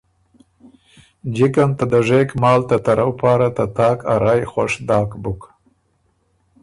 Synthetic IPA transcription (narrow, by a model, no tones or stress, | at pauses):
d͡ʒɪkant̪ad̪əʐekmɑːlt̪at̪aɾʔawpɑːɾat̪at̪ɑːkʰaɾɑjxaʂd̪ɑːkbʊk